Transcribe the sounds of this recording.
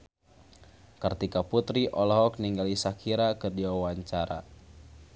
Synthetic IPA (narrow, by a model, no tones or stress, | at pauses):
kərt̪ikaput̪ɾiʔɔlɔɦɔk̚niŋɡalisakʰiɾakərdiwawaɲt͡ʃaɾa̰